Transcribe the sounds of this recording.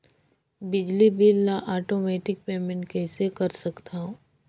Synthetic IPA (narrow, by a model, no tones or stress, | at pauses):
bɪd͡ʒlibilnaʔaːʈoːmɛːʈɪk̚peːmẽɳʈ̚kɛːsekɐɾsɐkt̪ʰaɦõ